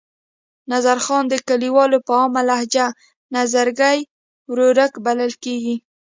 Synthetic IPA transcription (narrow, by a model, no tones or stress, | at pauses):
nazaɾxɑnd̪əkaliwɑlopəɑmalahd͡ʒa | nazaɾɡaj | wɾoɾəkbaləlkeɡi